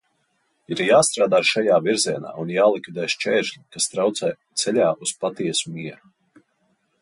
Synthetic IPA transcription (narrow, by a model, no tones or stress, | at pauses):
iɾjaːst̪ɾaːd̪aːʃajaːviɾziɛna̰ːunjaːlˠikvʲid̪ɛjʃt͡ʃɛːʃlʲikast̪ɾawt̪sɛt̪sɛlʲaːʔuspat̪iɛsumiɛɾu